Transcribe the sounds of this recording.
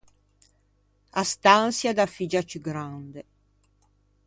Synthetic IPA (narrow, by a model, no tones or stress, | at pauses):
ast̪ansjad̪afid͡ʒat͡ʃyɡɾand̪e